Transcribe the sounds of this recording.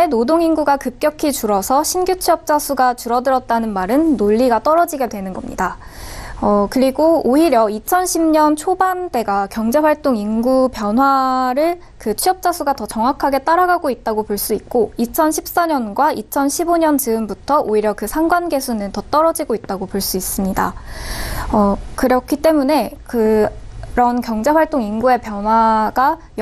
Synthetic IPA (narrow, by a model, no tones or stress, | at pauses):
enodoŋinɡuɡakɯp̚k͈jʌkʰit͡ɕuɾʌsʰʌɕʰinɡjut͡ɕʰiʌp̚t͡ɕ͈asʰuɡat͡ɕuɾʌdɯɾʌt̚t͈anɯnmaɾɯnːoʎːiɡat͈ʌɾʌd͡ʑiɡedwe̞nɯnɡʌmɲḭda | ʌkɯɾiɡooiɾjʌit͡ɕʰʌnɕʰimɲʌnt͡ɕʰobande̞ɡakjʌŋd͡ʑe̞ɸwaɭt͈oŋinɡupjʌnɦwaɾɯɭ | kɯt͡ɕʰiʌp̚t͡ɕ͈asʰuɡatʌt͡ɕʌŋwakʰaɡe̞t͈aɾaɡaɡoit̚t͈aɡopoɭs͈uik̚k͈oit͡ɕʰʌnɕʰip̚s͈aɲʌnɡwaʔit͡ɕʰʌnɕʰiboɲʌnd͡ʑɯɯmbutʰʌʔoiɾjʌkɯsʰaŋɡwanɡe̞sʰunɯntʌt͈ʌɾʌd͡ʑiɡoit̚t͈aɡopoɭs͈uis͈ɯmɲida̰ | ʌkɯɾʌkʰit͈e̞mune̞kɯ | ɾʌnkjʌŋd͡ʑe̞ɸwaɭt͈oŋinɡue̞pjʌnwaɡa | j